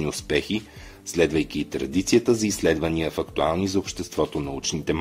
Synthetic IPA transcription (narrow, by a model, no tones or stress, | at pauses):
niʊspɛxi | slɛd̪vəjk̟iːt̪ɾɐd̪it̪sijət̪əzɐislɛd̪vəniəfɐkt̪ualˠnizɐopʃt̪ɛst̪vɔt̪onɐut͡ʃnit̪ɛm